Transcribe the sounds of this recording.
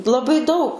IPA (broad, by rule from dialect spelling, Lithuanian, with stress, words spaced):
lˠɐˈbɐɪ dɐʊ